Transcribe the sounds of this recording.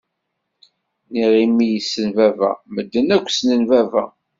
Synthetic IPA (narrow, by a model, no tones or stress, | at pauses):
niʁimːijisːənvævæ̰məd̪ːənækʷːsnənvævæ